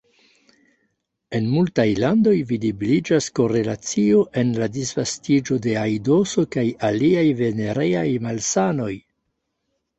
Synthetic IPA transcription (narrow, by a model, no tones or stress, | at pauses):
e̞nmultajlando̞jvidibilid͡ʒasko̞ɾe̞lat͡sio̞ʔe̞nladisv̥astid͡ʒo̞de̞ajdo̞so̞kajaliajve̞ne̞ɾe̞jajmalsano̞j